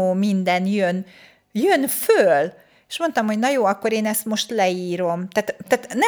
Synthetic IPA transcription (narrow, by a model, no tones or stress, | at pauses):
oːmind̪ɛnjøn | jønføl | eʃmo̞nt̪ɒmho̞ɟnɒjoːɒkːo̞ɾeːnɛst̪mo̞ʃt̪lɛiːɾo̞mt̪æːt̪t̪æːt̪nɛ